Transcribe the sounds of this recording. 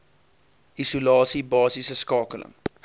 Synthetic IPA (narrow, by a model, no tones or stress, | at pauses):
ʔisulɑːsibɑːsisəskɑːkələ̰ŋ